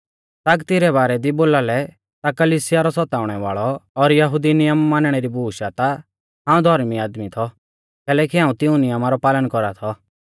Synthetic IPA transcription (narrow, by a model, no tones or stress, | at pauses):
t̪aɡt̪ɪɾɛβaːɾɛd̪iboːlalɛ | t̪akɐliːsɪjaɾɔsɔt̪aːʊɽ̃ɛʋa̰ːɭɔːɾjɐɦʊd̪inɪjəmːaːnɽ̃eɾibʱuːʃat̪a | ɦãːũd̪ʱɔɾmiaːd̪mit̪ʰɔ | kɛːlɛːkiɦaːũt̪ɪũnɪjəmaɾɔpaːlənkɔɾat̪ʰɔ